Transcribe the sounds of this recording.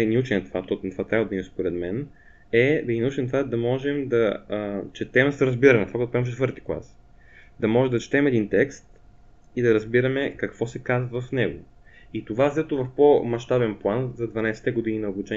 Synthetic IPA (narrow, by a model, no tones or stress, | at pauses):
inɐut͡ʃɛnɛt̪vat̪ɔt̪nt̪vat̪ɾʲabvəd̪ɐimspoɾɛd̪mɛn | ɛd̪ɐinɐut͡ʃɛnmt̪ovad̪ɐmɔʒɛmd̪ɐt͡ʃɛt̪ɛməsɐɾɐzbiɾɐnɐt̪ovakoɛt̪opɾaimft͡ʃɛt̪vɤɾt̪i̥klˠa̰s | d̪ɐmɔʒɛmd̪ɐt͡ʃi̥t̪ɛmɛd̪int̪ɛkst̪ | id̪ɐɾɐzbiɾɐmɛkɐkvɔsɛkazvɐvɐfnɛɡo̰ | it̪ovazɛt̪ovɐfpomɐʃt̪abɛnplˠanzɐd̪vɐnajsɛ̥t̪ɛɡod̪ininɐobut͡ʃɛ